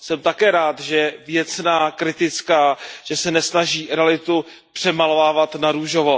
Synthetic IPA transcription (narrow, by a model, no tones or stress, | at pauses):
sɛmt̪akɛːɾaːt̪ʒɛvjɛt͡snaːkɾɪt̪ɪt͡skaːʒ̥ɛsɛnɛsnaʒiːɾɛalɪt̪u | pr̥ɛmalovaːvat̪naɾuʒovo